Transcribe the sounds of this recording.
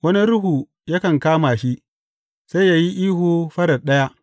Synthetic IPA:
wɐ˦ni˦ɾʊ˦ɦuː˨ | jɐ˦kɐ˨ŋkaː˦maː˨ʃi˦ʔ | sa˦ja˦ji˦ʔiː˦ɦuː˨ɸɐ˦ɽɐ˨ɗɐ˦ja˦ʔ

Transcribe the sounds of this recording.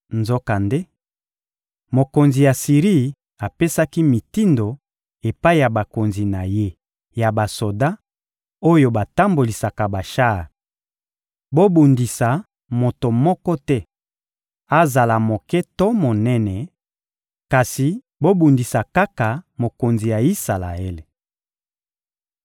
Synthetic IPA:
nzo˦ka˨nde˦ | mo˨ko˨nzi˨ja˨si˨ʁi˦ | a˨pe˦sa˦ki˦mi˨ti˦ndo˨ | e˨pa˦i˦ja˨ba˨ko˨nzi˨na˨je˦ | ja˨ba˨so˨da˦ | o˦jo˦ba˨ta˦mbo˨li˨sa˨ka˨ba˨ʃa˦˨ | bo˦bu˨ndi˨sa˨ | mo˨to˨mɔ˦kɔ˦tɛ˦ | a˦za˨la˨mo˨kɛ˦to˦mo˨nɛ˦nɛ˨ | ka˨si˨ | bo˦bu˨ndi˨sa˨ka˦ka˨mo˨ko˨nzi˨ja˨i˦sa˨la̰˨e˦le˨

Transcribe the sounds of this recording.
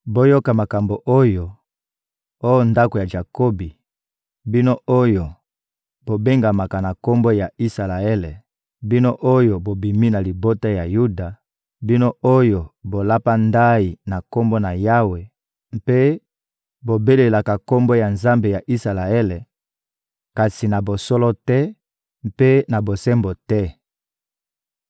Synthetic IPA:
bo˦jo˦ka˨ma˨ka˨mbo˨ʔo˦jo˨ | o˦jo˦nda˦ko˨ja˨ʒa˨ko˦bi˨ | bi˦no˦o˦jo˨ | b̥o˨be˦ŋɡa˨ma˨ka˨na˨ko˦mbo˦ja˨i˦sa˨la˨ɛ˦lɛ˨ | bi˦no˦ʔo˦jo˨bo˨bi˨mi˦na˨li˨bo˦ta˦ja˨ju˦da˨ | bi˦no˦o˦jo˨bo˨la˦pa˦nda˦i˨na˨ko˦mbo˦na˨ja˦we˨ | mpe˦ | bo˨be˦le˨la˨ka˨ko˦mbo˦ja˨nza˦mbe˨ja˨ʔi˦sa˨la˨ɛ˦lɛ˨ | ka˨si˨na˨bo˨so˦lɔ˦tɛ˦ | mpe˦na˨bo˨sɛ˦mbo˨tɛ˦

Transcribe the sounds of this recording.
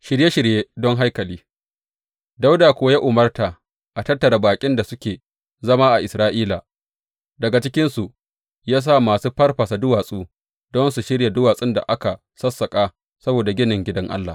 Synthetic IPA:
ʃɪ˨ɾje˦ʃɪ˨ɽjeː˦dɔ˦ŋɦa˦jkɐ˨liː˦ | da˦wdaː˨kʷʊ˦wa˦jaː˦ʔʊ˨mɐ˦rta˨ | ʔa˨tɐ˦tːɐ˨ɾa˨baː˨kʲʼɪ˦nda˨sʊ˦kʲeː˨ | zɐ˦maː˦ʔa˨ʔɪ˨sɾaː˦ʔiː˦laː˨ | dɐ˨ɡa˨t͡ʃɪ˦kʲɪ˦nsu˨ʔ | jaː˦s̬aː˦maː˨suː˦ɸɐ˦rɸɐ˨sa˨dʊ˦waː˨sʼuː˦ | dɔ˦nsu˨ʃɪ˦ɽja˨dʊ˦waː˨sʼɪ˦nda̰˨ʔa˦ka˨ | sɐ˦sːɐ˨kʼaː˦ | sɐ˦boː˨da˨ɡʲɪ˦nɪ˨ŋɡʲɪ˦dɐ˦ŋʔa̰˦lːa̰˨

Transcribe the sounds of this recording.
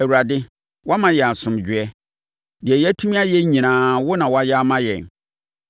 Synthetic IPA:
æ˨wu˨ɾa˨dɪ˦ | wɔ˦a˦mã˨jɛ˨a˨sʊ̃˨md͡ʑᶣɪ˨ɛ˦ | dɪ˨ɛ˨jɛ˦tʰu˦mĩ˦a˦jɛ˦ɲĩ˨nãː˨˦wʊ˦nã˨wɔ˨˦a˦jɛ˦a˦mã˦jɛ̰˨n

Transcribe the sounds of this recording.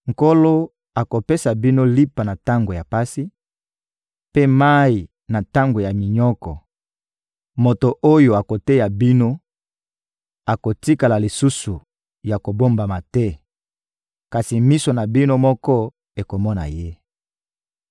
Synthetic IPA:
ŋ˨ko˦lo˦ | a˨ko˨pe˦sa˨bi˦no˦li˦pa˨na˨ta˦ŋɡo˨ja˨pa˦si˦ | pe˦ma˦i˨ | na˨ta˦ŋɡo˨ja˨mi˨ɲɔ˦kɔ˨ | mo˨to˨ʔo˦jo˨a˨ko˨te˦ja˨bi˦no˦ | a˨ko˨ti˦ka˨la˨li˨su˦su˨ | ja˨ko˨bo˦mba˨ma˨tɛ˦ | ka˨si˨mi˦so˨na˨bi˦no˦mɔ˦kɔ˦ | e˨ko˨mɔ˦na̰˨je˦

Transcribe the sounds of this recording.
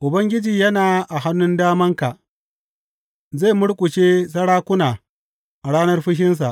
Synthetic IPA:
ʔʊ˨bɐ˦ŋɡʲɪ˦d͡ʒiː˨jɐ˦naː˨ʔa˨ɦa˦nːʊ˦ndaː˦mɐ˦ŋka˨ʔ | za˦˨mʊ˦ɽkʷʼʊ˨t͡ʃeː˦s̬ɐ˦ɽaː˦kʷʊ˦naː˨ | ʔa˨ɽaː˦nɐ˦rɸʊ˦ʃ̬ɪ˦ns̬a̰˨ʔ

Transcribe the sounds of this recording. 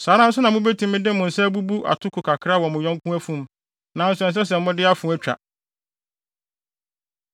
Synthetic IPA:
saː˨˦ɾã˦n̩˦s̬ʊ˦nã˨mʊ̃˦be˦tʰĩ˨mɪ̃˦dɪ̃˦mʊ̃˨n̩˨sɛ˦bu˦bu˦ʔa̰˨tʰʊ˦kʰʊ˨kʰa˨kʰɪ˦ɾa˦˨wɔ˨mʊ̃˨ɲɔ̃˦ŋkʰũ˦æ˦fũ˦˨m | nã˨n̩˦sʊ˨ɛ̃˨ns̬ɛ˦s̬ɛ˨m̩˦mʊ̃˦dɪ˦a˦fũ˨˦æ˦t͡ɕᶣa̰˨

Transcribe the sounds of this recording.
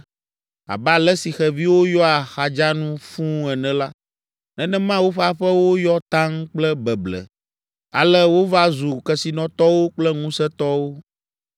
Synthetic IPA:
a̰˨ba˨lɛ˦si˨xɛ˨vi˦wo˦jɔ˦a˨xa˨d͡ʒa˦nũ˦fũ˦ɛ˨nɛ̃˨la˦ | nɛ̃˦nɛ̃˦mã˦wo˦ɸa˨ɸɛ˦wo˦jɔ˦t̪ã˦ŋk͡plɛ˦bɛ˨blɛ̰˨ | a̰˨lɛ˦wo˦va˦zu˨kɛ˨si˨nɔ̃˨t̪ɔ˦wo˦k͡plɛ˦ŋũ˦sɛ˦t̪ɔ˦wo˦

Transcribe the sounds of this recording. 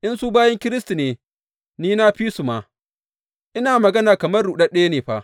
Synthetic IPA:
ʔɪ˦nsuː˦baː˦jɐ˦ŋkʲɪ˦ɾɪ˦sti˨neː˨ | niː˦na˦ɸiː˦su˨ma˨ | ʔɪ˦naː˨mɐ˨ɡɐ˦naː˨kɐ˨mɐ˦ruː˨ɗɐ˦ɗe˦ja˦neː˨ɸaː˦˨

